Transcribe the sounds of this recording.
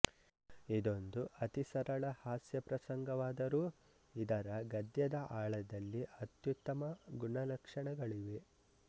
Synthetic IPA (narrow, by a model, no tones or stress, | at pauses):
id̪o̞nd̪uʔɐt̪isɐɾɐɭɐhaːsjɐpɾɐsɐŋɡɐʋaːd̪ɐɾuː | id̪ɐɾɐɡɐd̪jɐd̪ɐʔaːɭɐd̪ɐlːiʔɐt̪jut̪ːɐmɐɡuɳɐlɐkʂɐɳɐɡɐɭiʋe̞